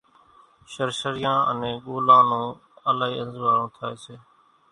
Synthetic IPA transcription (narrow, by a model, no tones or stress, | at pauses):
ʃəɾʃəɾɪjãːʔə̰nẽːɠoːlãːnõː | əlaːɦiːənzʋaːɾõːt̪ʰaːeːseː